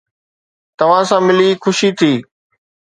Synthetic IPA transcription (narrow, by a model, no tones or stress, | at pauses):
t̪ɐʋ̤ãsãmɪlixʊʃit̪ʰiː